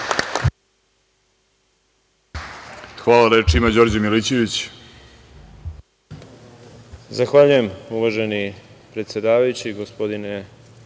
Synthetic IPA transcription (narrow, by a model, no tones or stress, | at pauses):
xʋaːlaɾet͡ʃimad͡ʑo̞ːɾd͡ʑamilit͡ɕeʋit͡ɕ | zaxʋaʎuje̞muʋaʒeni | pɾe̞t̪sje̞d̪aːʋajut͡ɕiɡospo̞d̪ine